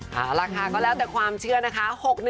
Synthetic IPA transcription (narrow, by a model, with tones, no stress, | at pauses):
ʔaː˧˩ɾaː˧kʰaː˧kɔː˥˩lɛː˦˥wt̪ɛː˨˩kʰwaː˧mt͡ɕʰɯ˥˩ɐna˦˥kʰa˦˥ho˨˩k̚nɯ˧